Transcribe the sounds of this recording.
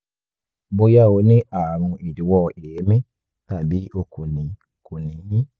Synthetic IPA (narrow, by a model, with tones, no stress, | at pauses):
bo˧ja˦˨o˨˧˦nĩ˦a˨ɾ̃ũ˧ʔi˨du˨˦wɔ˧e˨je˨˦mĩ˦ | t̪a˦˨bi˨˦ʔo˧ko˨nĩ˨ | ko˨nĩ˨˦jĩ˦